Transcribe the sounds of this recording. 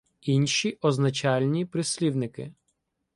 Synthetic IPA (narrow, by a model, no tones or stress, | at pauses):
inʲʃiʔɔznɐt͡ʃɑlʲnʲipɾɪsʲlʲiwnɪkɪ̰